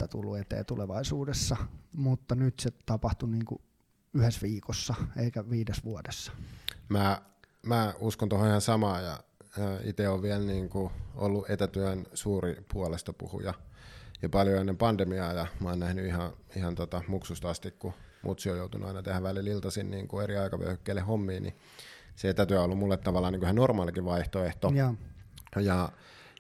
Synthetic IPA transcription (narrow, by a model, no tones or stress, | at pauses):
æt̪ṵlːuet̪ḛːt̪uleʋɑisuːdesːɑmut̪ːɑnyt̪set̪ɑpɑht̪uniːŋkṵ | yhesʋiːkosːɑeikæʋiːdesʋuodesːɑ̥mæː | mæːuskont̪ohoihɑsɑmɑːjɑ̰ːit̪eoʋʋiælniːŋkuʔo̰lːuʔet̪æt̪yensuːripuɑlest̪ɑpṵhṵjɑjɑpɑljoenːempɑnd̥̪emiɑːjɑmɑːnnæhnyihɑihɑnt̪ot̪ɑmuksust̪ɑst̪ikkumʔṵt̪siojout̪unʔṵɑinɑt̪ehæʋʋælililt̪ɑsinniːŋkueɾiɑikɑʋø̰hykːeːlːehomːiːnʔḭ | seet̪æt̪yæolːummulːet̪ːɑʋɑlːˑɑːniːŋkusenormɑːlikiʋʋɑiht̪oeht̪o | jɑ